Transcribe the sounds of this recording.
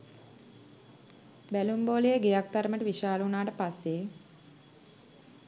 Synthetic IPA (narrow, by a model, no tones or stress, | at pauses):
bælumboːlejeɡejak̚t̪aɾəməʈəʋiʃaːləunaːʈəpasːeː